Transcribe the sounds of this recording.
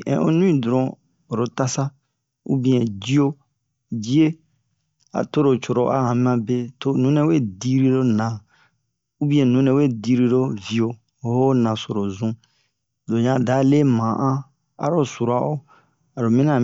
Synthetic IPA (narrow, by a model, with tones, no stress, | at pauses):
ʔɛ̰̃˨ʔo˦nũ˦ĩ˦˨du˨ɾɔ̃˨ | o˨ɾo˨ta˦sa˦ | ṵ˦bĩ˦ɛ̃˨di˦o˦ | d͡ʒi˦e˦ | a̰˨to˦ɾo˨t͡ʃo˨ɾo˨ʔa̰˦hã˨mĩ˦ã˨be˦to˦˨nũ˦nɛ̃˨˦we˦˨di˦ɾi˦ɾo˦nã˨ | u˦bĩ˦ɛ̃˨nũ˦nɛ̃˨we˦˨di˦ɾi˦ɾo˦vi˨o˨˦ | ho˦nã˨so˨ɾo˨zũ˦ | do˨ɲã˨da˨˦le˦mã˨ʔã˦ | a̰˨ɾo˦su˨ɾa˨o˦ | a˨ɾo˨mĩ˦nã˦˨